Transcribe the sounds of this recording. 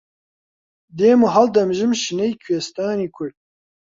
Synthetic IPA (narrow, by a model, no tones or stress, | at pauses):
d̪eːmuɦɐld̪ɐmʒɨmʃinɐjkʰwest̪aːniːkʰʊɾd̪̚